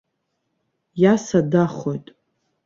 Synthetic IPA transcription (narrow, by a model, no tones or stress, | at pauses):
jasadaχo̞jtʼ